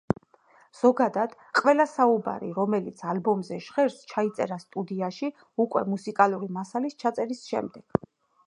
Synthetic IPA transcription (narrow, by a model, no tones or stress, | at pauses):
z̥ɔɡad̪ad̪̥ | qʼʋɛlasauba̰ɾḭɾɔmɛlit̪sʰalbɔmzɛʃʁɛɾst͡ʃʰait̪sʼɛ̰ɾast̪ʼud̪iaʃi | ukʼwɛmusikʼalˠuɾimasalist͡ʃʰat̪sʼɛɾisʃɛ̰md̪ɛɡ̥